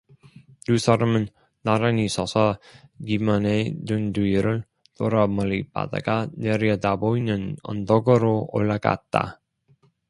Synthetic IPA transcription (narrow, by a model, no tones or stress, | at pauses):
tusʰaɾʌmɯnː | aɾanisʰʌsʰʌɡimanedunduiɾɯɭ | toɾamʌɾiba̰d̪a̰ɡaneɾjad̪aboinɯnʌ̰ndʌɡɯɾoo̰ɭːaɡa̰t̚t͈a̰